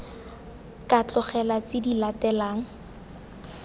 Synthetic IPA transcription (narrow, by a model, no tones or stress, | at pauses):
kat͡ɬɔχɛlat͡sɪdilatɛlaːŋ̩